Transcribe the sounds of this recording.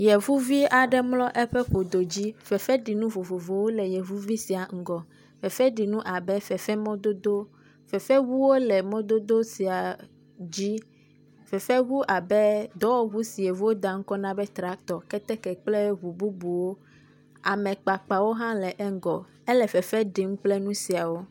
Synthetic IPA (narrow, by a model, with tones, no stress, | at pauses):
jɛ˨vu˦vi˦a˨ɖɛ˦mlɔ˦ʔɛ˦ɸɛ˦ɸo˨d̪o˨d͡ʑi˦fɛ˨fɛ˦ɖi˨nũ˦vo˨vo˨vo˨wo˦lɛ˨jɛ˨vu˦vi˦si˨a˨ŋ̩˨ɡɔ˨ | fɛ˨fɛ˦ɖi˨nũ˦ʔa˨bɛ˦fɛ˨fɛ˦mɔ̃˦d̪o˦d̪o˦ | fɛ˨fɛ˦wu˦wo˦lɛ˨mɔ̃˦d̪o˦d̪o˦si˨a˨ | d͡ʑi˦ | fɛ˨fɛ˦wu˦ʔa˨bɛ˦d̪ɔ˦wɔ˦βu˦si˨e˨vu˦wo˦d̪a˨ŋ̩˦kɔ˦nã˦bɛ˦t̪ɾa˨˦t̪ɔ˨kɛ˦t̪ɛ˦kɛ˨k͡ple˦βu˨bu˦bu˨wo˦ | a˨mɛ̃˨k͡pa˨k͡pa˨wo˦ɦã˦lɛ˨ʔɛ˦ŋ˦ɡɔ˨ | ɛ˦lɛ˨fɛ˨fɛ˦ɖi˨ŋũ˦k͡plɛ˦nũ˦si˨a˨wo˦